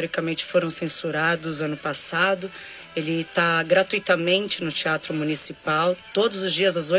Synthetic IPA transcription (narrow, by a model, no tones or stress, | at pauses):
ɔɾikɐmẽnt͡ʃɪ̥foɾɐ̃w̃sẽsuɾad̪ʊzɐ̃nʊpasad̪ʊ | elɪt̪aɡɾat̪ujt̪ɐmẽnt͡ʃɪnʊt͡ʃiat̪ɾʊmunisipawt̪od̪ʊzʊzd͡ʒiɐzɐzo